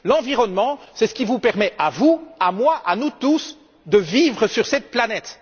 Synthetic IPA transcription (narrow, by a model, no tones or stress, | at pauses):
lɑ̃viʁɔnmɑ̃sɛsə̥kʲivupɛʁmɛʔavuamwaʔanut̪us | d̪əvivʁəsyʁsɛt̪̚planɛt̪